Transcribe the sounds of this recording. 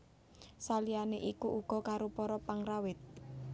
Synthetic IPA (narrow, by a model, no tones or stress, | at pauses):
salianeʔikuʔuɡ̥ɔ̤kaɾopɔɾɔpaŋrawɪt̪̚